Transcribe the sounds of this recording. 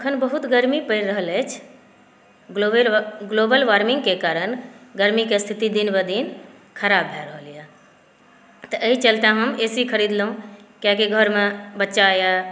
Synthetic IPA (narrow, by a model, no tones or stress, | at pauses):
əkʰənbəɦut̪ɡəɾmipəɾəɦəlɛt͡ʃʰ | oɡloːbəlʋaːɾmɪ̃ŋɡkekaːɾənɡəɾmikest̪ʰit̪id̪inbəd̪in | kʰəɾaːbɦɛɾəɦəlija | t̪əʔəit͡ʃəlt̪ãɦəmeːsikʰəɾiːd̪lũkjakeɡʱəɾmẽbətːʃaja